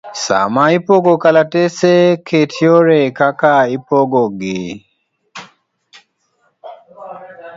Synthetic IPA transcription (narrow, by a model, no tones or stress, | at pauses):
sa̰maipoɡokalatesekʰetʰjoɾekakaipoɡoɡe